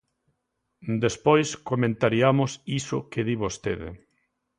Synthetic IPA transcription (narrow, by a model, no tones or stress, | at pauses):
d̪espojskomẽnt̪aɾiamʊsisʊkeðiβost̪eðḛ